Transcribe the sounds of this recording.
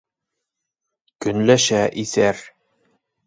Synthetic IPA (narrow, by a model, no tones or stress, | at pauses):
kɵ̆nlæʃæʔiθæɾ